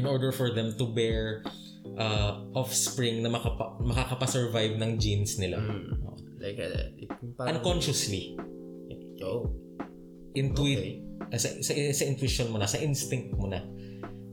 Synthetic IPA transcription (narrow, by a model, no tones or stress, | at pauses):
ʔɪ̃nʔɔɹd̪ɛɹfɔɹðɛmt̪ʊbɛɹ | ʔɐʔɔfspɹɪŋnɐmɐkɐmɐkakɐpɐsɛɹvajbnɐŋd͡ʒinsnɪla̰o̰ʔo | lajk | ɐnkonʃʊsli | ʔoʔ | ʔɪ̃nt̪wiʔsɐsɐʔsɐɪnt̪wɪʃonmonɐsɐʔɪnst̪ɪŋt̪̚monɐ